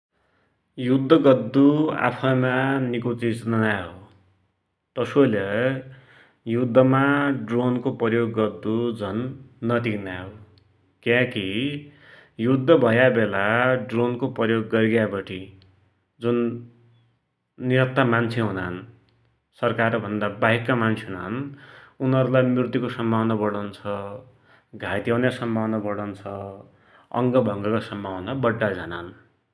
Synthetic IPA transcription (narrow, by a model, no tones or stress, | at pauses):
jud̪ʱːʌɡʌd̪ːua̰pʰʌjmanikut͡sit͡snʌnaɦo | t̪ʌsolʌ | jud̪ʱːʌmaɖronkopʌjoɡːʌd̪ːud͡zʱʌnːʌt̪iknaɦo | kjãki | jud̪ʱːʌbʱʌjabelaɖronkoprʌjoɡːʌɾɡjabʌʈʰi | d͡zun | iɾʌt̪ːamant͡sʰeɦunaʌn | sʌrkarbʱʌnd̪abaɦikːamant͡sʰeɦunaɦʌnunʌɾulajmrirt̪ikosʌmbʱawnʌbʌɽʌnt͡sʰʌ | ɡʱat̪iʌwnasʌmbʱawnʌbʌɽʌnt͡sʰʌ | ʌ̰ŋɡʌbʱʌŋɡʌkasʌmbʱawʌnabʌɖːad͡zana̰n